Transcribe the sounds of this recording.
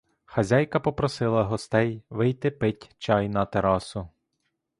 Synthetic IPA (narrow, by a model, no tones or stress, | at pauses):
xɐzʲajkɐpɔpɾɔsɪlˠɐɦɔst̪ɛjʋɪjt̪ɪpɪtʲt͡ʃɑjnɐt̪eɾɑsʊ